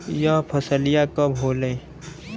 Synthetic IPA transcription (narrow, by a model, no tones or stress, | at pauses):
japʰəsəlɪjakəbʱɦoːle